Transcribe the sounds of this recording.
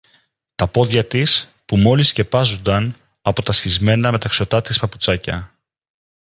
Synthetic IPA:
t̪ɐpo̞ðʝɐt̪is | pumo̞lisce̞pɐzond̪ɐn | ɐpo̞t̪ɐsçizme̞nɐme̞t̪ɐkso̞t̪ɐt̪ispɐput͡sɐcɐ̰

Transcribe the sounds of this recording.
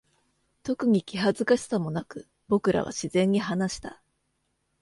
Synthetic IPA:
t̪o̞kɯ̟ɲ̟ikʲiɦazɨkaɕi̥samo̞nakɯ̟ | bo̞kɯ̟ɾʔa̰βa̰ɕizẽ̞ɲ̟ːiɦanaɕi̥t̪a

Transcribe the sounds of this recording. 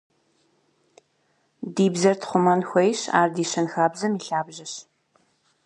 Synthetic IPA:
diːbzɐrtʰχʷʊmɐnxʷɔjɕa̰ːrdiːɕɐnxaːbzɐmiːɬaːbʑɐɕ

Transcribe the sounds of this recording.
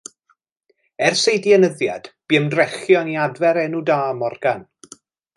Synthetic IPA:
ɛrsejdiɛnəðja̰d̥b̥iənrɛχjɔniadvɛɾɛnudaːmɔrɡan

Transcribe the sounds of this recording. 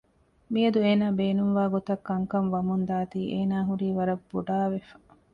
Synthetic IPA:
miɐd̪ueːnaːbeːnumʋaːɡot̪ɐkːɐŋkɐnʋɐmund̪aːt̪iːʔeːnaːɦuɾiːʋɐɾɐbːuɖaːʋefɐ̥

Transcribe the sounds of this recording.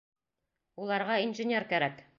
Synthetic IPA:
ulˠɑɾʁɑinʒɘ̆nʲeɾkæɾæk

